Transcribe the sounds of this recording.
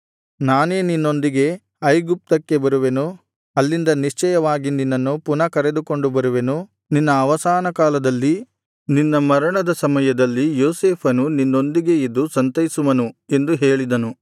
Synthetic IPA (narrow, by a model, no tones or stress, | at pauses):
naːneːninːo̞nd̪iɡe̞ | ɐjɡup̚t̪ɐkːe̞bɐɾuʋe̞nu | ɐlːind̪ɐniʂt͡ʃɛjɐʋaːɡininːɐnːupunɐkɐɾe̞d̪uko̞ɳɖubɐɾuʋe̞nu | ninːɐːʋɐsaːnɐkaːlɐd̪ɐlːi | ninːɐmɐɾɐɳɐd̪ɐsɐmɐjɐd̪ɐlːijoːseːpʰɐnuninːo̞nd̪iɡe̞id̪ːusɐnt̪ɐjisuʋɐnue̞nd̪uɦeːɭid̪ɐnu